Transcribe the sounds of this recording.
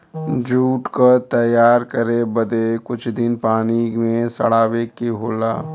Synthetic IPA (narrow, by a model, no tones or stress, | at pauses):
d͡ʒuːʈkat̪ɐjaːɾkɐɾebɐd̪ekʊt͡ʃʰd̪ɪnpaːnimẽsɐ̰ɽaːʋeːkːeɦoːla̰ː